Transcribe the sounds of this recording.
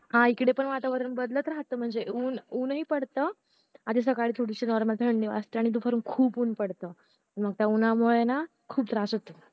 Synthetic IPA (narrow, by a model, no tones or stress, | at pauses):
ɦãikɽepəɳʋat̪aʋəɾənbəd̪lət̪ɾaɦt̪əːm̤əɳd͡zeuːnuːnɦiːpəɽt̪əː | ad̪is̬əkaɭiːt̪ʰuɽiɕinɔɾməlt̪ʰəɳɖiʋa̰st̪əaɽ̃it̪̬ufʰəɾuːnkʰuːpunpəɽt̪əː | t̪əɾməɡ̚t̪jaunamoɭena | kʰuːb̚t̪ɾasət̪u